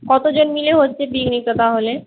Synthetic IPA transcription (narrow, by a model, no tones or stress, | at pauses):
kɔt̪od͡ʑonmileɦotːɕʰebiɡnik̪ot̪aɦole